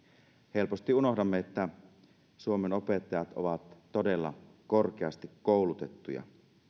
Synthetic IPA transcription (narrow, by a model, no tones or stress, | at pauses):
he̞lpost̪iuno̞hdɑmːeet̪ːæ | suomenopet̪ːɑjɑt̪o̰ʋɑt̪ːodelːɑ̰kork̟eɑst̪ikkoˑulut̪et̪ːujɑ̰